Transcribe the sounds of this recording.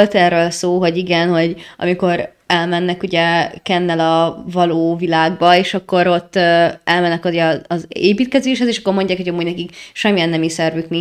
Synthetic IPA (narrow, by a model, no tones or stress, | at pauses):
lt̪ɛrːøːlsoːɦo̞ɟiɡɛnho̞ɟɒ̰miko̞ɾ | ɛlmɛnːɛkuɟɛkɛnːɛlɒvɒloːvilaːɡ̚bɒeːʃɒkːo̞ɾo̞t̪ːøɛlmɛnːɛkjɛɒɒzeːpiːt̪̚kɛzeːʃhɛzeːʃɒkːormo̞ɲɟaːkhoɟɒmːuːɟnɛkikʃɛmːijɛnːɛmisɛrvykni